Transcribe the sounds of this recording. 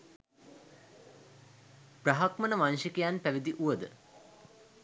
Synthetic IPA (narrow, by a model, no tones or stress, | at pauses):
praɦakmənəʋanʃikijanpæʋid̪iʔuʋəd̪ə̰